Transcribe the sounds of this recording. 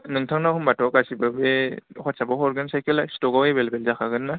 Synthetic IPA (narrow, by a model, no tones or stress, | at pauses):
nɯŋtʰaŋnahumbatʰɔkasibabehɔt̚sabaɦɔɾɡɯnsajkɯlajstɔɡawebelbelzakʰaɡɯnːa